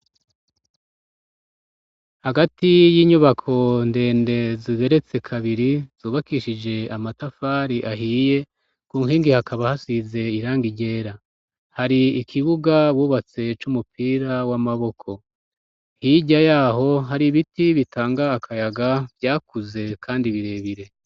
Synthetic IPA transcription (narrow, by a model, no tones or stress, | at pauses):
haɡatijiːɲuβakʰo̞nde̞ːnde̞ziɡe̞ɾe̞t͡se̞kʰaβiɾiz̥uːβakiʃid͡ʒe̞amatafaːɾiʔaɦiːje̞ | kuːŋhiːŋɡihakʰaβahasize̞iɾaːŋɡiɟe̞ːɾa | haɾiːkʰiβuɡaβuːβat͡se̞t͡ʃumupʰiːɾawamaβo̞kʰo̞ | hiɟajaːɦo̞ɦaɾiβitiβitʰaːŋɡaːkʰajaɡavjaːkuze̞kʰaːndiβiɾe̞βiɾe̞